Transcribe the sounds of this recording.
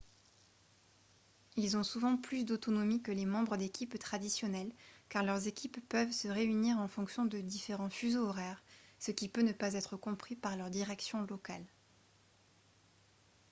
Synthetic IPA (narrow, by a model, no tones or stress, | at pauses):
ilzɔ̃suvɑ̃plys̬d̪ot̪ɔnɔmikəlemɑ̃bʁəd̪ekʲipt̪χad̪isjɔnɛlkaʁlœʁzekʲipːœvsəʁeyniʁɑ̃fɔ̃ksjɔ̃d̪əd̪ifeʁɑ̃fyzoɔʁɛːʁsəkʲipønəpazɛt̪χəkɔ̃pχipaʁlœʁd̪iʁɛksjɔ̃lɔkal